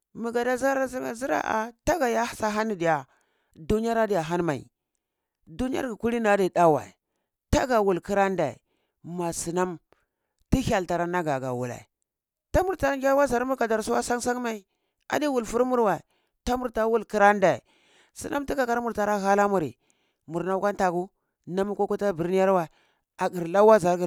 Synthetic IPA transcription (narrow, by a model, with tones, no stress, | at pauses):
mi˨ɡa˨da˦za˦ɾa˦zi˦a̰˨zi˦ɾa̰˦ʔa̰˨ta˦ɡa˨ja˦˨sa˦ɦa˦ni˨di˨ja˨ | du˦ni˦a˦ɾa˦di˦ja˨ɦa˦nma˨ḭ˨ | du˦ni˦a̰˦ɾɡi˨ku˦li˦na˨˦di˨ɗa˦wa̰˨i˨ | ta˦ɡa˨wu˨lki˦ɾa˦nda˨ḭ˨ | ma˨si˨na˦m | ti˦ha˨lta˨ɾa˦na˦ɡa˨ɡa̰˨wṵ˨la̰˨ | ta˦mu˨ɾta˨ɾa˦ɡʲa˦wa˦za˨ɾmu˦ɾka˨da˨ɾsu˦wa̰˦sa˦ŋsa˦ŋma˦i˨ | a̰˨di˦wu˨lfu˦ɾmu˦ɾwa˨ | ta˦mu˨ɾta˦wu˦lki˦ɾa˦nda˨i˨ | sḭ˨nʔa˦mti˦ka˨ka˦ɾmu˨ɾta˨ɾa˦ɣa˦la˦mu˨ɾḭ˨ | mu˨ɾna˦kʷa˦n˦ta˨ku˦ | na˦m˦ko˦ku˦ta˦bi˨ɾni˦ja˦ɾwa˨ | a˨ɡi˨ɾla˦wa˦za˨˦ɾɡi˨